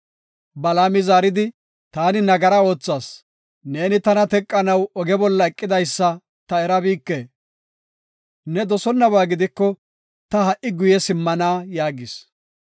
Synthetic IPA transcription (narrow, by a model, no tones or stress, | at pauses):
bɐlaːmɪzaːɾɪd̪ɪ | t̪aːnɪnɐɡɐɾɐo̞ːt͡sːaːs | ne̞ːnɪt̪ɐnɐt̪ɛkʼːɐnɐwɔɡɛbɔlːɐɛkʼːɪd̪ɐjsːɐ | t̪ɐɛɾɐbiːkːeː | nɛd̪ɔsɔnːɐβaːɡɪd̪ɪkːɔ | t̪ɐhɐʔɪɡʊjɛsɪmːɐnaːjaːɡɪs